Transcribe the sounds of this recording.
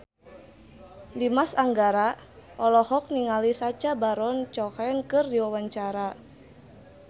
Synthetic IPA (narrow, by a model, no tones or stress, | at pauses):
dimasaŋɡaɾaʔɔlɔhɔk̚niŋalisat͡ʃabaɾɔnt͡ʃɔkaɛnkɨrdiwawaɲt͡ʃaɾa